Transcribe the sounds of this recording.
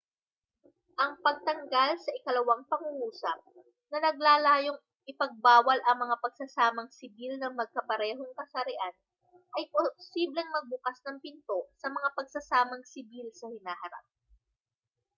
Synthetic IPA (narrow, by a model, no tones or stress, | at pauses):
ʔɐŋpɐɡ̚t̪ɐŋɡalsɐʔɪkɐlɐwaŋpɐŋuŋuːsɐp̚ | nɐnɐɡ̚laːlaːjoŋ | ʔɪpɐɡ̚baːwɐlʔɐŋmɐŋapɐɡ̥̚sɐsaːmɐŋsɪbilnɐŋmɐɡ̚kɐpɐɾɛːɦo̞ŋkɐsɐɾɪʔan | ʔɐjposiːblɛŋmɐɡ̚bʊkasnɐŋpɪnt̪o̞sɐmɐŋapɐɡsɐsaːmɐŋsɪbilsɐhɪnaːhɐɾa̰p̚